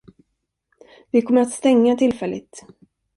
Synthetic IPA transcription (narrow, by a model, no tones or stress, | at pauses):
vɪkʰɔmːəɾat̪st̪ɛŋːat̪ʰɪlfɛlʔɪ̰t̪